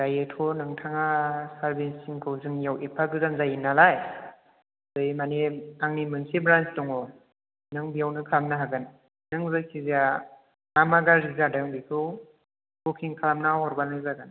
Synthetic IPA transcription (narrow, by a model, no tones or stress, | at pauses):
dajetʰɔnɯŋtʰaŋasaɾbinsiŋkʰɯwzɯŋjawʔepʰaɡɯzanzajinalaj | zɯjmaneaŋnimɯnsibɾant͡ʃtɔŋɔ | nɯŋbijawnɯkʰalamnɯɦaɡɯn | nɯŋzakʰiza | namaɡazizadaŋbikʰɯw | bokʰiŋkʰalamnaɦɔɾbanɯzaɡɯn